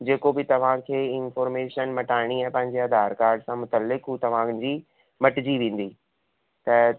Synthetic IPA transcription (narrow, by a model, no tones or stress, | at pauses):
d͡ʑeːkobɪt̪ɐʋ̤ãkʰeːɪnfɔːɾmeːʃənmɐʈaːɪɽ̃iɛ̃ːpɐ̃ɦɪ̃ɲd͡ʑeɐd̪ʱaːɾkaːɾɖsãmʊt̪əlːɪkɦuːt̪ɐʋ̤ãd͡ʑiː | mɐʈɪd͡ʑiʋẽːn̆d̪iː | t̪ɐ